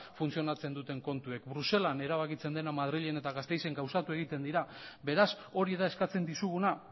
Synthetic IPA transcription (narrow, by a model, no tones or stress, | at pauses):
funt͡sio̞nat͡se̞nd̪ut̪e̞ŋko̞nt̪ue̞kbɾuse̞lane̞ɾaβ̞akit͡se̞nd̪e̞namaðɾiʎe̞ne̞t̪aɣast̪e̞jse̞ŋɡawsat̪ue̞ɣit̪e̞nd̪iɾaβe̞ɾas | o̞ɾiðae̞skat͡se̞nd̪isuɣuna